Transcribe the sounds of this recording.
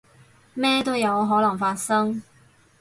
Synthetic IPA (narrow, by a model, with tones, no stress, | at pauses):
mɛː˥t̪o˥jɐ˨˧wɦɔː˨˥lɐ˨˩ŋfaː˧t̚sɐ˥ŋ